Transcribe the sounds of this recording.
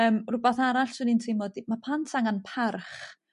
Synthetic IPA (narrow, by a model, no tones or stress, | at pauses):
əːmrʊbaθaɾaɬsunintʰemɔdimapʰantʰaŋanpʰarχ